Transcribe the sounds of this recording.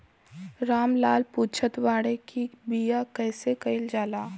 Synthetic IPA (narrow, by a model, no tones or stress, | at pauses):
ɾaːmlaːlpuːt͡ʃʰət̪ʋaːɽekʰibijakɛːsekɐɪld͡ʒaːlaː